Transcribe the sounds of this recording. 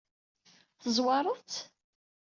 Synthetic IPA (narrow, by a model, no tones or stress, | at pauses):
θəzˤwɑɾˤət͡s